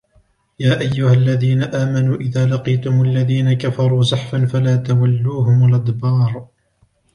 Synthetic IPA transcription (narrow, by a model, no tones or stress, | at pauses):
jaːʔajːʊhalːaðiːnaʔaːmanuːʔɪðaːlɑqiːt̪ʊmʊʔalːaðiːnakafɑɾˤuːzɑħfanfalaːt̪awalːuːɦʊmʊlʔɑd̪bɑːɾˤ